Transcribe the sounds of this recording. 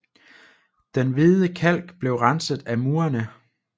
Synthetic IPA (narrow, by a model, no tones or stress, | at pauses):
d̥enʋiðˠəkʰæl̰ɡ̥b̥le̝ʊʁɑnsəðˠæmuːɐnə